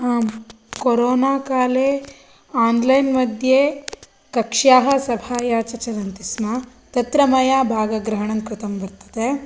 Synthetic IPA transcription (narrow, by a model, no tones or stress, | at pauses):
aːm | koɾoːnaːkaːle | aːnlɐjnmɐd̪ʱje | kɐkʂaːɦɐsɐbʱaːjaːt͡ʃɐt͡ʃɐɾɐnt̪isma | t̪ɐt̪ɾɐmɐjaːbʱaːɡɐɡɾɐɦɐɳɐnkɾut̪ɐmbɐɾt̪ɐ̥d̪e